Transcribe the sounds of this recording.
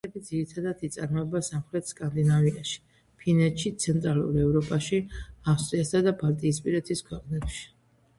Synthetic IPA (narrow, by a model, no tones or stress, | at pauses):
ɛbid̪ziɾit̪ʰad̪ad̪it̪sʼaɾmɔɛbasamχɾɛt̪ʰskʼand̪inaviaʃi̥ | pʰinɛt̪ʃit̪sʰɛnt̪ʼɾalṵɾɛvɾɔpʼaʃiafst̪ʼɾiasad̪abalt̪ʼiːspʼiɾɛt̪ʰiskʰwɛqʼnɛbʃi̥